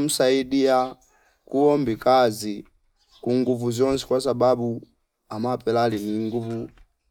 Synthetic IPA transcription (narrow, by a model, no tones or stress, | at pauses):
m̩saidija | kuɔmbikazi | kuŋɡuvuzɔnsɛ̥kwasababu | amapɛlaliniŋɡuvu